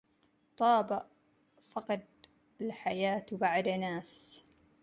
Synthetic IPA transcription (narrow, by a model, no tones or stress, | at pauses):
t̪ˤɑːbaʔ | fɑqɑd̪̚ | alħajaːt̪baʕd̪naːs